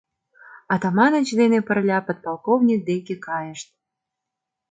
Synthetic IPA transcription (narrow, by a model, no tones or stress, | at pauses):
ɑt̪ɑmɑnə̆t͡ɕd̪enepə̆rlʲɑpot̪̚pɑlˠkovnʲik̚d̪ekʲekɑjəʃt̪̚